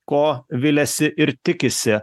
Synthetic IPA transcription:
koːʋʲɪlʲɛsʲɪʔɪɾt̪ʲɪkʲɪsʲɪ

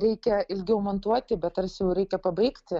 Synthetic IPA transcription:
ɾʲɛɪkʲɛɪlʲɡʲɪɐʊmɐnt̪uɔt̪ʲɪbʲɛt̪ɐrsʲjɛʊɾʲɛɪkʲɛpɐbɐɪkt̪ʲ

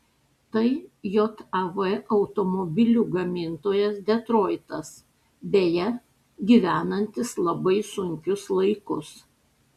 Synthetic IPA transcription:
t̪ɐɪjot̪ɐʋɛʔɐʊt̪omɔbʲɪlʲuɡɐmʲɪnt̪oːjɛsd̪ʲɛt̪ɾoːɪt̪ɐs | d̪ʲeːjɛ | ɡʲiʋʲæːnɐnʲt̪ʲɪslˠɐbɐɪsʊŋʲkʲʊslˠɐɪkʊs

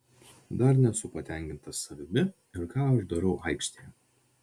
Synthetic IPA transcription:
d̪ɐɾnʲɛsʊpɐt̪ʲɛˑŋʲkʲɪnt̪ɐsɐʋʲɪmʲɪ | ɪɾkɑːɐʃd̪ɐɾɐʊʔɐɪkʲʃʲt̪ʲejɛ

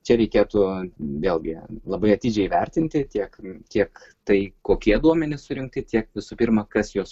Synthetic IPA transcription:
t͡ʃʲɛɾʲɛɪkʲeːt̪ʊʋʲeːlˠɡʲɪlˠɐbɐɪɐt̪ʲiːd͡ʒʲɛɪiʋʲɛrʲt̪ʲɪnʲt̪ʲɪt̪ʲiɛkkʲiɛkt̪ɐɪkoːkʲiɛd̪uɔmʲɛnʲɪsʊɾʲɪŋk̚t̪ʲɪt̪ʲiɛkʋʲɪsʊpʲirmɐkɐsjoːs

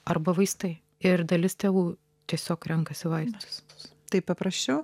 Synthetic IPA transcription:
ɐrbɐʋɐɪst̪ɐɪ | ɪɾd̪ɐlʲɪst̪ʲeːʋuː | t̪ʲiɛsʲoːkɾʲɛŋkɐsʲɪʋɐɪst̪ʊ̥st̪ɐɪpɐpɾɐsʲt͡ʃʲɛʊ

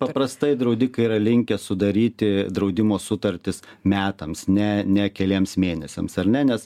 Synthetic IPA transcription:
pɐpɾɐst̪ɐɪd̪ɾɐʊd̪ʲɪkɐiɾɐlʲɪŋʲkʲɛsʊd̪ɐɾʲiːt̪ʲɪd̪ɾɐʊd̪ʲɪmoːsʊt̪ɐɾʲt̪ʲɪsmʲæːt̪ɐmsnʲɛnʲɛkʲɛlʲiːɛmsmʲeːnʲɛsʲɛ̰msɐrnʲɛnʲɛs

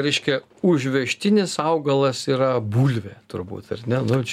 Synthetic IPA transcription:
ɾʲɛɪʃʲkʲɛ | ʊʒʲʋʲɛʃʲt̪ʲɪnʲɪsɐʊɡɐlˠɐsiːɾɐbuːlʲʋʲeːt̪ʊɾbṵːt̪ɐrnʲɛnʊt͡ʃʲ

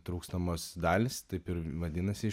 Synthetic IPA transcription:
t̪ɾuːkst̪omoːsd̪ɑːlʲɪst̪ɐɪpɪɾʋɐd̪ʲɪnɐsʲɪ

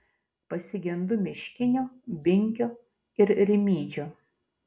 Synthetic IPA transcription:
pɐsʲɪɡʲɛnd̪ʊmʲɪʃʲkʲɪnʲoːbʲɪŋʲkʲoː | ɪɾɾʲɪmʲiːd͡ʒʲoː

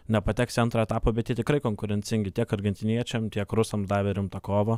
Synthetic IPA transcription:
nʲɛpɐt̪ʲɛksʲɐnt̪ɾɐɛt̪ɑːpoːbʲɛt̪tʲjiɛt̪ʲɪkɾɐɪkoŋkʊɾʲɛnʲtt͡s̪ʲɪŋʲɡʲɪt̪ʲiɛkɐɾʲɡʲɛnʲt̪ʲɪnʲiɛt͡ʃʲɛmt̪ʲiɛkɾʊsɐmd̪ɑːʋʲɛɾʲɪmt̪ɐkoːʋɐ

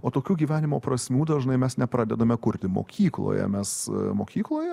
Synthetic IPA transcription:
oːt̪oːkʲuːɡʲiːʋʲæːnʲɪmoːpɾɐsʲmʲuːd̪ɐʒnɐɪmʲɛsnʲɛpɾɑːd̪ʲɛd̪ɐmʲɛkʊɾʲt̪ʲɪmo̰ːkʲiːklˠo̰jɛ̰mʲɛsmo̰ːkʲiːklˠoːjɛ

